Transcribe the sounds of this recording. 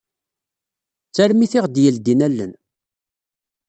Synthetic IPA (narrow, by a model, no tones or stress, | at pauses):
t͡sːæɾmiθɪʁd̪jəld̪inælːə̰n